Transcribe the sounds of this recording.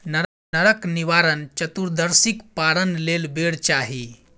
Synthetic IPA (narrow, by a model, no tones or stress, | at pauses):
nəɾ | nəɾəkniʋaɾənt͡ʃət̪uɾd̪əɾsikpaɾənlelbeɽt͡ʃaɦi